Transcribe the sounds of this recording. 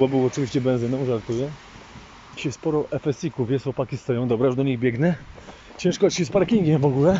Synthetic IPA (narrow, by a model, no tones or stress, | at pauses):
ɔbɨwɔt͡ʂɨvʲiɕt͡ɕɛbɛ̃ñzɘnɔ̃w̃ʐaɾt̪ujɛ | ɕɛspɔɾɔʔɛfɛsʲikuvʲjɛswɔpakʲist̪ɔjɔ̃w̃d̪ɔbɾaʐd̪ɔɲiɣbʲjɛɡnɛ | t͡ɕɛ̃ʂkɔt͡ɕɕɛspaɾkʲiŋɡʲɛmvɔɡulɛ